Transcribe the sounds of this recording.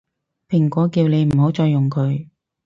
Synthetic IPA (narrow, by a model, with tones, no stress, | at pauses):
pʰɪ˨˩ŋkʷɔː˨˥kiː˧wne˨˧jm̩˨˩ɦo˨˥wt͡sɔː˧jːʊ˨˩ŋkʰɵ˨˧ɥ